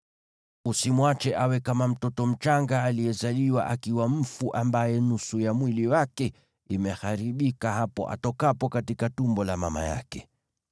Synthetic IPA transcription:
usimwat͡ʃɛʔawɛkamam̩tɔtɔm̩t͡ʃaŋɡaːlijɛzaliwa̰ʔakiwam̩fuʔambajɛnusujamwiliwakɛ | imɛhaɾiɓikaɦapɔ̰ʔa̰tɔkapɔkatikatumbɔlama̰ma̰ja̰kɛ

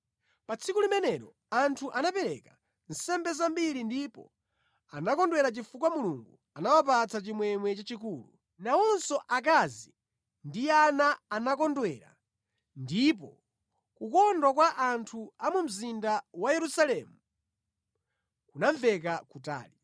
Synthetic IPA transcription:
pat͡sʰikulimɛnɛɾɔ | antʰuʔanapɛɾɛ̰ka | n̩sɛmbɛzambiɾindipɔ̰ | anakɔndwɛɾat͡ʃifukwamuluŋɡu | anawap̬at͡sʰat͡ʃimwɛŋwɛt͡ʃat͡ʃikuːlṵ | naɔnsɔʔak̬azi | ndianaːnak̬ɔndwɛɾa̰ | ndip̬ɔ | kukɔndwak̬waʔantʰuamum̩zindawajɛɾusalɛmu | kunaɱvɛk̬akuta̰ːli

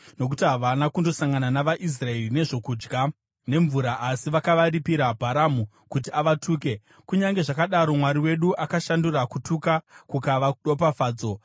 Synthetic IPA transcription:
no̞k̬utiɦaʋanakundo̞saŋɡananaʋaʔis̬rae̞rine̞ʐo̞kuːd͡ʒɡa | ne̞ɱvuɾaʔːsiʋakaʋaɾipiɾabʱaɾamu | kutiaʋatʰuːk̬e̞ | kuɲaŋɡe̞ʐakaɗaɾo̞mwaɾiwe̞ɗuʔakaʃandurakutʰukakukaʋaɗo̞p̬afaːd͡zo̞

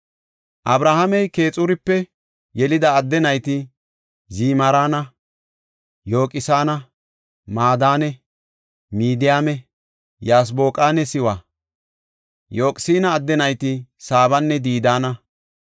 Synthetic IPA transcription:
ʔɐbɾahɐmɛjke̞ːt͡sʼʊɾɪpːɛ | jɛlɪd̪ɐːd̪ːɛnɐjt̪ɪ | ziːmɐɾaːnɐ | jo̞ːkʼɪsaːnɐ | maːd̪aːnɛ | miːd̪ɪjaːmɛ | jaːs̬bo̞ːkʼaːnɛsɪwa | jo̞ːkʼsiːnɐːd̪ːɛnɐjt̪ɪsaːbɐnːɛd̪iːd̪aːnɐ

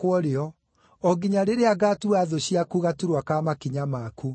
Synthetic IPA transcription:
kwɔɾeɔ | ɔɡiɲaɾeɾeaɡatuaðoɕiakuɣatuɾwakamakiɲamaku

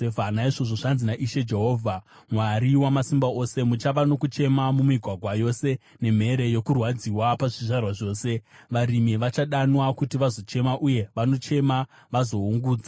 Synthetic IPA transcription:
efanaiʐo̞ʐo̞ʐanzinaʔiʃe̞d͡ʒe̞ɦo̞ːvʱa | mwaɾiwamasimbao̞se̞mut͡ʃaʋano̞kut͡ʃe̞mamumiɡʱwaɡʱwajo̞se̞ | ne̞m̤e̞ɾe̞jo̞kurwad͡ziwapaʐiʐarwaʐo̞ːse̞ʋaɾimiʋat͡ʃaɗanwakutiʋazo̞t͡ʃe̞maʔuje̞ʋano̞t͡ʃe̞ma | ʋazo̞uŋɡuːd͡za

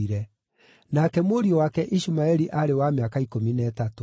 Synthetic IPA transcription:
iɾɛ | nakɛmoɾiɔwakɛʔiʃumaɛɾiʔaɾewamjakaikominɛːtato

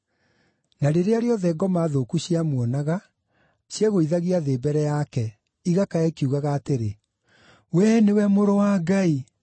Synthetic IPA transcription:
naɾeɾeaɾeɔðɛɡɔmaðokuɕiamwɔnaɣa | ɕjɛɣoiðaɣiaðeːbɛɾɛjakɛ | iɣakaɛkiuɣaɣaːteɾe | wɛnewɛmoɾowaɡai

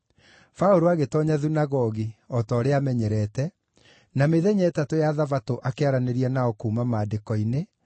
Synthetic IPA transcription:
faoɾoaɣetɔɲaðunaɣɔɣiɔtɔːɾeamɛɲɛɾɛtɛ | nameðɛɲɛːtatojaðavatoʔakeaɾaneɾianaɔkuːmamaːdekɔine

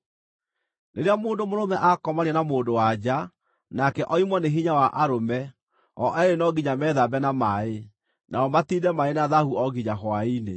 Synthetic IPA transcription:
neɾeamoːndomoɾomɛʔakɔmaɾɛnamoːndowad͡ʑa | nakɛʔɔimwɔneɦiɲawaʔaɾomɛ | ɔʔɛɾenɔɣiɲamɛðabɛnamae | naɔmatiːdɛmaenaðahuɔɣiɲaɦwaine

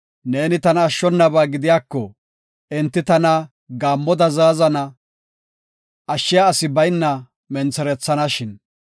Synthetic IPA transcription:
ne̞ːnɪt̪ɐnɐːʃːɔnːɐbaːɡɪd̪ɪjaːkːɔ | ɪnt̪ːɪt̪ɐnɐ | ɡaːmːɔd̪ɐzaːzɐnɐ | ɐʃːɪjaːsɪbɐjnːɐ | mɛnt͡sɛɾɛt͡sːɐnɐʃɪn

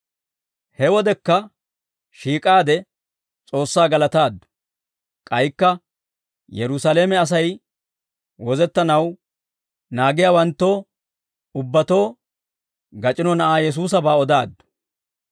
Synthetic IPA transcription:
hɛwɔd̪ɛkːɐ | ʃiːkʼaːd̪ɛ | t͡sʼo̞ːsːaːɡɐlɐt̪aːd̪ːʊ̥ | kʼɐjkːɐ | jɛɾʊsaleːmɛɐs̬ɐj | wɔzɛt̪ːɐnɐw | naːɡɪjaːwɐnt̪ːo̞ː | ʊbːɐt̪o̞ː | ɡɐt͡ʃʼɪnɔnɐʔaːjɛs̬uːs̬ɐbaːɔd̪aːd̪ːʊ̥

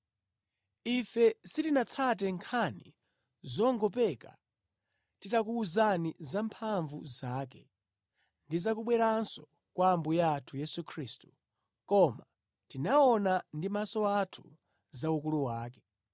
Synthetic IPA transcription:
ifɛsitinat͡sʰat̬ɛŋkʰanḭ | zɔŋɡɔpɛka̰ | titakuːzanizampʰaɱvṵzaːk̬ɛ | ndizak̬uɓwɛɾansɔ̥ | kwaːmbujaːtʰujɛsukʰɾiːstu̥ | kɔma | tinaɔnandimasɔatʰu̥ | zaukuluwaːkɛ̥

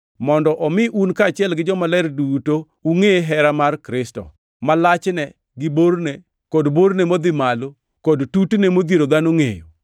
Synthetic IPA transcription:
mɔndɔʔɔmɪʔunkat͡ʃɪɛlɡɪd͡ʒɔmalɛɾduto | uŋeɦɛɾamarkɾɪstɔ̰ | malat͡ʃnɛ | ɡɪboɾne | kodboɾnemod̪ɪmalo | kodtutnemod̪jeɾod̪anoŋḛjo̰

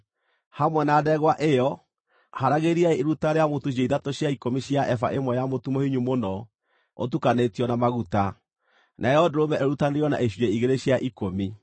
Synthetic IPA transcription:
hamwɛnaːðɛɣwaʔejɔ | haɾaɣeɾiaeːɾutaɾeamotuʃ̬eiðatoɕjaikomiɕjaʔɛfa̰ʔemwɔjamotumohiɲumonɔ | o̰tukanetiɔnamaɣuta | nʔaejɔdoɾomɛʔeɾutaneɾjɔna̰eɕ̬ueiɣeɾeɕjaʔikomi

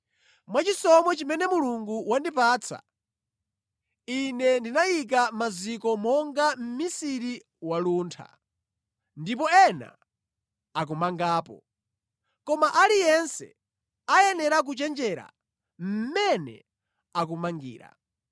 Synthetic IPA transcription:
mwat͡ʃisɔmɔt͡ʃimɛnɛmuluŋɡuwandipaːt͡sʰa̰ | inɛndinajik̬amazikɔmɔŋɡam̩misiɾi | waluːntʰa̰ | ndip̬ɔɛna̰ | ak̬umaŋɡaːpɔ̰ | kɔmaʔalijɛnsɛ̰ | ajɛnɛɾak̬ut͡ʃɛnd͡ʒɛɾa̰ | m̩mɛnɛ̰ | ak̬umaŋɡḭːɾa̰

